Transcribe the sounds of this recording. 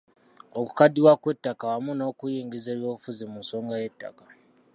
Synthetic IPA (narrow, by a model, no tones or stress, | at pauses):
oku̥kadiwakwetːakawamunakujiːŋɡizeβjofuzimunso̞ŋɡaje̞tːa̰ka